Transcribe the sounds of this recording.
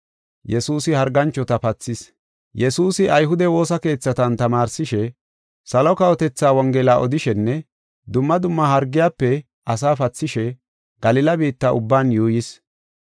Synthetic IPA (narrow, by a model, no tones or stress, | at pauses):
jɛsuːsɪhɐɾɡɐnt͡ʃːɔt̪ɐfɐt͡sːɪs | jɛsuːsɪʔɐjɦʊd̪ɛwo̞ːsɐke̞ːt͡sːɐt̪ɐnt̪ɐmaːɾsɪʃɛ | sɐlɔkɐwɔt̪ɛt͡sːaːwɔŋɡɛlaːʔɔd̪ɪʃɛnːɛ | d̪ʊmːɐd̪ʊmːɐhɐɾɡːɪjaːpːɛ | ʔɐs̬aːfɐt͡sːɪʃɛ | ɡ̥ɐlɪlɐbiːt̪ːɐʔʊbːaːnjuːjɪs